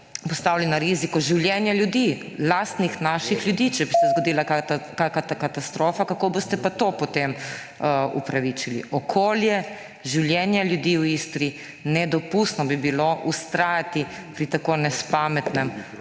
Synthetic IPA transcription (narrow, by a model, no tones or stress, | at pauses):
pɔst̪aːwlɛnaɾizikɔʒiwljɛnjaljud̪i | last̪nixnaːʃixlʲjud̪iːt͡ʃɛbisɛzɡod̪iːlaakakat̪akat̪ast̪ɾoːfakakoːbost̪ɛpat̪opɔt̪em | ṵpɾaʋit͡ʃilḭʔɔkʰoːljɛ | ʒiwljɛnjaljud̪iːwist̪ɾi | nɛd̪ɔpust̪nɔbibiloʔust̪ɾaːjat̪i | pɾit̪akonɛspamɛt̪nɛm